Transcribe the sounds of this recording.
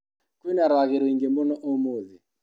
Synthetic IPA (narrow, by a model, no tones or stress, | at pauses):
kwinaɾaɣeɾuiŋɡembɔnɔʔomuːði